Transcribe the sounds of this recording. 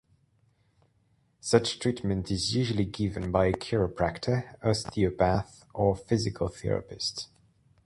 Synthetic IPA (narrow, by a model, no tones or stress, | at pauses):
sʌt͡ʃtʰɹ̥iˑʔmə̃ntʰɪzjʉːʒəliɡɪvə̃nbaɪkʰj̥ɔːɹəpʰɹ̥aktʰəəz̥θiəpʰaθ | ʔəfɪzɪkʰəlˠθḭɹə̰pɪsts